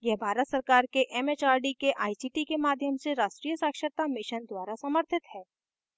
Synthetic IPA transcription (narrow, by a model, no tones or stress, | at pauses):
jɛɦbʱaːɾət̪səɾkaːɾkeʔɛmeːt͡ʃaːɾɖikeʔaːisiʈikemaːd̪ʱjəmseɾaːʃʈɾiːjəsaːkʃəɾt̪amɪʃənd̪waːɾasɐməɾt̪ʰɪt̪hɛː